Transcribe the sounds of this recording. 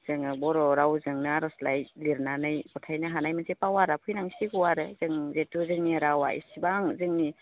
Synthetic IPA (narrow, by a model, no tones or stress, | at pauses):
z̥ɯŋɯbɔɾɔɾawzɯŋnaɾɔslajliɾnanɯjbɔtʰajnaɦanajmɯnzepawaɾapʰujnaŋsiɡuwaɾɯzɯŋzetuzɯŋniɾawa̰ḭsibaŋzɯŋni